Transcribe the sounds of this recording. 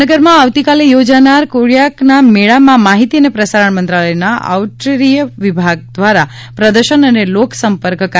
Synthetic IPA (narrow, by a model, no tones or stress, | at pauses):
əɡəɾmãaʋt̪ikalejod͡ʒanaɾkoɽijaknameɭamãmaɦit̪iənepɾəsaɾəɳmənt̪ɾaləjnaʔa̰ʋʈɾeɾijəʋɪbʱaɡ̚d̪ʋaɾa | pɾəd̪əɾʃənəneloksəmpəɾkk